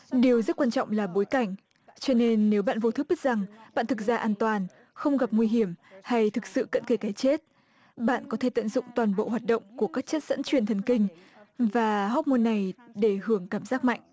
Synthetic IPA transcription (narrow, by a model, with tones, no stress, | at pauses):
ɗi˨˩əwzə˦˥t̚kwaː˧nt͡ɕɔ̰˧˨wŋ͡mlaː˨˩ɓo˨˦jka˧˩jŋ̟ | t͡ɕɔ˧ne˧nːe˨˦wɓa̰ː˧˨nvo˧t̪ʰɨ˦˥ɓi˦˥k̚za˨˩ŋɓa̰ː˧˨nt̪ʰɨ˨˩k̚zaː˧ʔaː˧nt̪waː˨˩n | xə˧wŋ͡mɣa˨˩p̚ŋwi˧ɦi˧˩əmha˧jt̪ʰɨ˨˩k̚sɨ̰˧˨kə̰˧˥nke˧˩kaː˨˦jt͡ɕe˦˥t̚ | ɓa̰ː˧˨nkɔ˨˦t̪ʰe˧˩t̪ə̰˧˨nzʊ̰˧˨ŋ͡mt̪waː˨˩nɓo̰˧˨ɦwaː˨˩t̚ɗə̰˧˨wŋ͡mku˧˩əkaː˦˥k̚t͡ɕə˦˥t̚z̥ə̰˧˥nt͡ɕwi˨˩ənt̪ʰə˨˩nkï˧ŋ̟ | vaː˨˩ɦɔ˦˥p̚mo˧nːa˨˩jɗe˧˩hɨ˧˩əŋkaː˧˩mzaː˦˥k̚ma̰˧˨jŋʔ